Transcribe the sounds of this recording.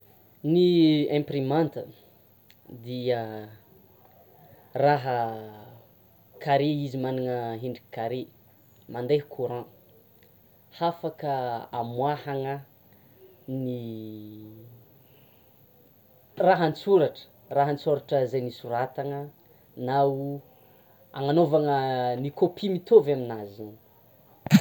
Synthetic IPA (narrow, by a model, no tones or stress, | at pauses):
niɛ̃mprimãnt̪ə | d̪iə | raɦə | kaɾeizimaniŋəɦiɳɖ͡ʐikaɾe | mand̪eɦkʰuɾã | hafakəa̰mwahaŋə | ni | raɦant͡suɾaʈ͡ʂə̥ | raɦənt͡soɾaʈ͡ʂəzejnisuɾat̪aŋə | nau | a̰ŋanovaŋənikopʰimit̪ovaminazin